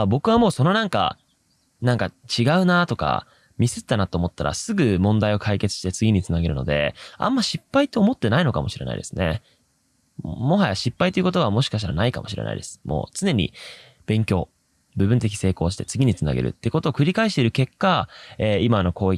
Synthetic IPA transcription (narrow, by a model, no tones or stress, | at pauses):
bo̞kɯ̟β̞amo̞ːso̞no̞nãŋka̰ | nãŋkat͡ɕiɡaɯ̟nat̪o̞ka̰ | mʲisɨt̪ːanat̪ːoːmo̞t̪ːaɾʔa̰sɨɡɯ̟mõ̞nd̪aio̞kʰaike̞t͡sɨ̥ɕi̥t̪e̞t͡sɨɡʲiɲ̟it͡sɨnaɡe̞ɾɯ̟no̞̰d̪e̞̰ã̰mːaɕipːait̪ːo̞ːmo̞t̪ːe̞naino̞kamo̞ɕiɾe̞na̰ḭd̪e̞sɨne̞̰ | mo̞ɦajaɕipːait̪e̞iɯ̟ko̞t̪oβamo̞ɕi̥kaɕ̬t̪aɾa̰naikamo̞ɕiɾe̞̰na̰ḭd̪e̞sɨ̥mʔo̞̰ːt͡sɨne̞ɲ̟ḭ | b̥ẽ̞ŋkʲo̞ː | bɯ̟bɯ̟̃nt̪̬e̞kʲi̥se̞ːko̞ːɕi̥t̪e̞t͡sɨɡʲiɲ̟it͡sɨna̰ɡe̞ɾɯ̟̰t̪ːeko̞t̪o̞ːkɯ̟ɾʲikaiɕ̬t̪e̞iɾɯ̟ke̞kːaeːimano̞kʰo̞ːi